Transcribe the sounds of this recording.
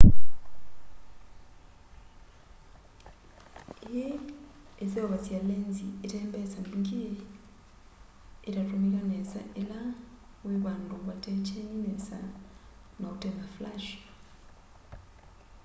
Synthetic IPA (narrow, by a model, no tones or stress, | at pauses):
eje | ezeoβazjalenzieteːmbesamiŋkije | eɾatunikanesa̰ʔela | weβaːnduβateceninesa̰ | nakuteŋɡaflaʃ